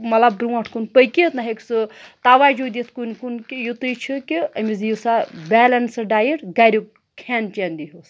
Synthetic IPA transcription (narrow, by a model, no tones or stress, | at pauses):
mɐlab̚d̪ɾuɐʈʰkunpəjkit̪naɦeksɨt̪aːʋaːjd͡ʒod̪it̪ʰkunkunkijut̪ɨjt͡ʃʰikiɐmizjisabɛːlɐnsɨɖaːjiɽɡaːɾʲu | kʰɛːnt͡ʃend̪iɦus